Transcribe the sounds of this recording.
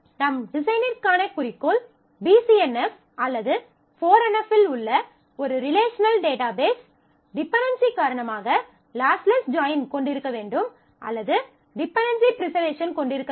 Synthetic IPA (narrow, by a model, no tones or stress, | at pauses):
nɐmɖɪsɐɪnɪɾkaːnɐkʊɾɪkːoːl | biːsiɛnɛf | ɐlːɐðɯ | foːɾɐnɐpːɪlʊɭːɐ | ɔɾɯɾɪleːʂɐnɐlɖeːʈaːbeːs | ɖɪpːɐnɖɐnsikaːɾɐɳɐmaːɣɐ | laːslɐsd͡ʒaːɪnkɔɳɖɪɾɯkːɐʋeːɳɖɯm | ʔɐ̰lːɐðɯ | ɖɪpːɐnɖɐnsipɪɾɪsɐɾʋeːʂɐnkɔɳɖɪɾɯkːɐ